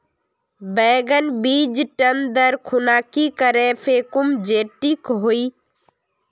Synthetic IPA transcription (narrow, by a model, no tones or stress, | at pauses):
bɛːɡənbiːd͡ʒʈənd̪əɾkʰʊnaːkikəɾefʰeːkʊmd͡ʒeːʈikɦoːiː